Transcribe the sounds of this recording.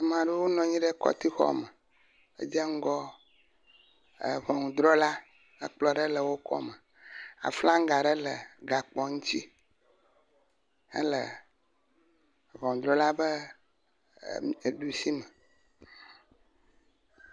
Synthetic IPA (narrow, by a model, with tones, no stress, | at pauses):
a˨m˨ã˨ɖe˦wo˦nɔ̃˨ɲĩ˦ɖɛ˦kɔ̰˦t̪i˦xɔ̰˦˨mə˨ | ḛ˦d͡ʒɛ˦ŋ̩˦ɡɔ˦˨ | vɔ˨ŋ˨d̪ɾɔ˦la˦ | ə˨k͡plɔ˨ɖe˦lə˨wo˦kɔ̰˦mə˨ | a̰˨fla˦ŋ˦ɡa˨ɖe˦lə˨ɡa˨k͡pɔ˨ŋũ˦t͡ɕi˦ | ə̰˦lə̰˨ | vɔ̃˨ŋ˨d̪ɾɔ˦la˦bə˦˨ | ɖu˨si˦mɛ˨